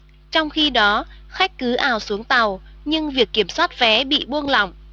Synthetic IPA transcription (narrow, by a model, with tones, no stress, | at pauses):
t͡ɕɔ˧wŋ͡mxi˧ɗɔ˨˦xa˦˥jk̟̚kɨ˨˦ʔaː˧˩wsu˨˦əŋt̪a˨˩wɲɨ˧ŋvi˨˩əkːi˧˩əmswaː˦˥t̚vɛ˨˦ɓḭ˧˨ɓu˧əŋlɔ̰˧˨wŋ͡m